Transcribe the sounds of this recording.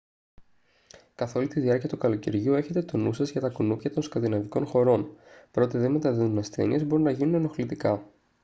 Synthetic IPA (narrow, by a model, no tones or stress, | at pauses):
kɐθo̞lit̪iðiɐɾciɐt̪ukɐlo̞cḛɾʝue̞çe̞t̪e̞t̪o̞nusɐzʝɐt̪ɐkunupçɐt̪o̞nskɐnd̪inɐviko̞nxo̞ɾo̞npɾo̞t̪iðe̞nme̞t̪ɐðiðunɐsθe̞̰nḭe̞zbo̞ɾunːɐʝinuneno̞xlit̪ikɐ